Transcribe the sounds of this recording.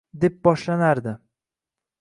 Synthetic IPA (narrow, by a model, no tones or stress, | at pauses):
d̪e̞p̚bɒʃlanaɾd̪ɪ